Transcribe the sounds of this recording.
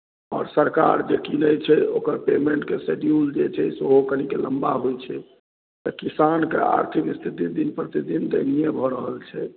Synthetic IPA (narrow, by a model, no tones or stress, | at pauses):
ɔ̰ːɾsəɾka̰ɾd͡ʒekinəjt͡ʃʰɛokəɾpemeɳʈkeseɖjuld͡ʒet͡ʃʰɛsoɦokənikeləmbaɦojt͡ʃʰɛ | t̪ɔkisankḛa̰ɾt̪ʰikist̪ʰit̪id̪inpɾət̪id̪ind̪ənijebʱɔɾəɦəlt͡ʃʰɛ